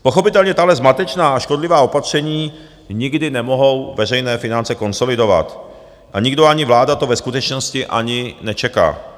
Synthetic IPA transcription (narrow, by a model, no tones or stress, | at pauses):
po̞xo̞pɪt̪ɛlɲɛt̪aɦlɛzmat̪ɛt͡ʃnaːaʃko̞dlɪvaːo̞pat̪r̝̥ɛɲiː | ɲɪɡdɪnɛmoɦo̞wvɛr̝ɛjnɛːfɪnant͡sɛko̞nso̞lɪdo̞va̰t̪ | ʔaɲɪɡdo̞aɲɪvlaːdat̪o̞vɛskut̪ɛt͡ʃno̞scɪʔa̰ɲɪnɛt͡ʃɛka̰ː